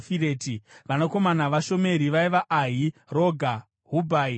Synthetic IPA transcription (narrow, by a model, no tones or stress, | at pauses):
fiɾeːtiʋanoko̞manaʋaʃo̞me̞ɾiʋaiʋaʔaɦiro̞ɡʱa | ɦubʱai